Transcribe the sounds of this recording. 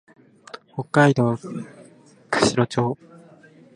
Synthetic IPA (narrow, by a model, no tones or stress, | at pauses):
ho̞kːaid̪o̞ː | kɯ̟̥ɕiɾo̞t͡ɕoː